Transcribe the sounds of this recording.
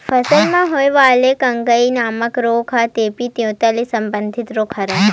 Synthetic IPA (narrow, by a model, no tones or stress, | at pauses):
fəsəlmãɦojʋaːlekəŋɡəinaːməkɾokʰat̪epit̪jõːt̪alisəmbənd̪ʱit̪ɾokʰəɾa